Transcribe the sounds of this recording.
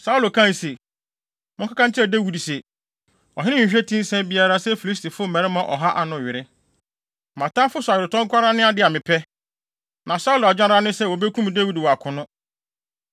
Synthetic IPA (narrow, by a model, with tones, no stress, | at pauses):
sa˦u˦lo˨kʰã˦˨n˨se˨ | mʊ̃˦kʰa˦kã˦t͡ɕʰɛ˦˨de˦wi˨dse˨ | ɔ˨ɦɪ˦nɪ̃˦ɲ̩˨ɕᶣɛ˦tʰĩ˦n̩˦sɛ̃˦nbi˦a˦ɾa˦sɛ˦fi˨li˦s̬tʰi˨fʊ˦˨mɛ̃˨ɾɪ˦mã˨ʔɔ˨ɦa˦ʔa˨nʊ̃˨ɥɪ˨ɾɪ˦ | mã˨tã˦fʊ˦sʊ˨a˨ɥɪ˨ɾɪ˨tʰɔ̃˦ŋ˦kʷa˦ɾa˦nɪ̃˦a˨dɪ˦a˨mɪ̃˨pʰɛ˦ | nã˨sa˦u˦lʊ˨a˨d͡ʑᶣã˦ɾa˦nɪ̃˦sɛ˦wɔ˨be˦kʰũ˦m˨de˦wi˨dwɔ˨a˨kʰʊ̃˨nʊ̃˦